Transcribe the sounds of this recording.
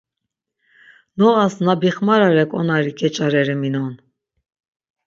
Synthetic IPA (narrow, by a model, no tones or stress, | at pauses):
nɔasnabiχmaɾaɾɛkʼɔnaɾikʰʼɛt͡ʃʼaɾɛɾɛminɔn